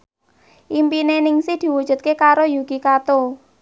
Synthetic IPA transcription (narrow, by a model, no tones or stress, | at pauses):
ʔimpinenɪŋsihd̪̥i̤wud̥ʒ̥ṳt̪̚kekaɾojuɡ̥ikat̪o